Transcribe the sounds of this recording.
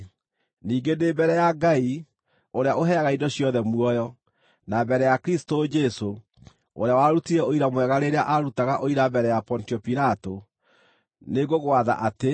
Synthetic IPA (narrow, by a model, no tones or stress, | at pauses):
niːŋɡendeːbɛɾɛjaɡai | oɾeaʔoɦɛaɣaidɔɕjɔðɛmuɔjɔ | nabɛɾɛjakɾistod͡ʒɛso | o̰ɾeawaɾutiɾɛoiɾamwɛɣaɾeɾeaʔaɾutaɣaʔoiɾabɛɾɛjapɔntiɔpiɾato | neɡoɣowaða̰ʔate